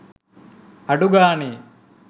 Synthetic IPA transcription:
hɐɖuɡaːni

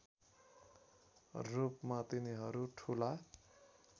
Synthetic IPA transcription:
rupmat̪iniɦʌɾuʈʰula

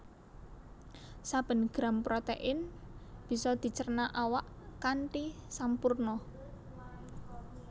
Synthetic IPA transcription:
sab̥ə̤nɡ̥ɾa̤mpɾɔt̪ɛ̰ʔɪnb̥i̤sɔd̪̥i̤t͡ʃərnaʔawaʔ | kanʈisampurnɔ

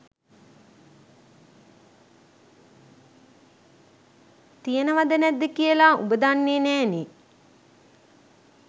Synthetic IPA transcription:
t̪ijənəʋad̪ənæd̪ːəkijəlaṵbəd̪anːeːnæːni

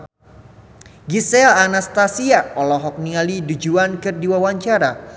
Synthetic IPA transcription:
ɡisɛlanast̪asiaɔlɔɦɔk̚niŋalidud͡ʒuankɨrdiwawaɲt͡ʃaɾa

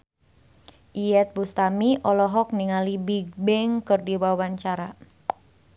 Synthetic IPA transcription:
ʔijɛt̪̚bust̪amiʔɔlɔɦɔk̚niŋalibiɡ̚bɛŋkɨrdiwawaɲt͡ʃaɾa

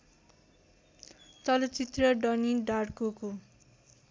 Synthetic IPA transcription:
t͡sʌlʌt͡sit̪rʌɖʌniɖarkoko

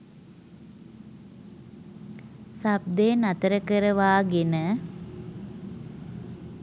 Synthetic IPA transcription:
sab̚d̪eːnat̪əɾəkəɾəʋaːɡenə

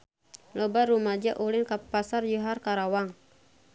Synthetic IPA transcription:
lɔbaɾumad͡ʒaʔulɪnkapasarjuɦarkaɾawaŋ

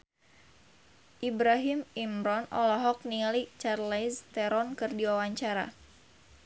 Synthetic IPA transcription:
ʔibɾaɦimimɾɔnɔ̰lɔɦɔk̚nilit͡ʃarlɛst̪ɛɾɔnkɨrdiwawaɲt͡ʃaɾa̰

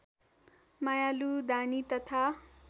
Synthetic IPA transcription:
majalud̪anit̪ʌt̪ʰa

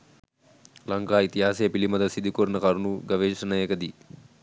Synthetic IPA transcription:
lɐŋkaːit̪iɦaːseɐpilimɐd̪ɐsid̪ukoːɾnɐkaːɾunuɡɐʋeːʂɐnɐjɐkɐd̪i

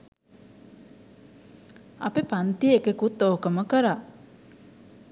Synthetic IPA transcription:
ɐ̰pepant̪iːkekut̪ːoːkəməkəɾa

